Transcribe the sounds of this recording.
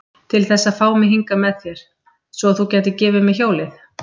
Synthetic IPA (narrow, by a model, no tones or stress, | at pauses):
t̪ʰɪlθɛsːafaːwmɪɦiŋkamɛðθjɛɾ̥ | svɔθucɛːt̪ɪcɛːvɪmɛðçjoːwlɪθ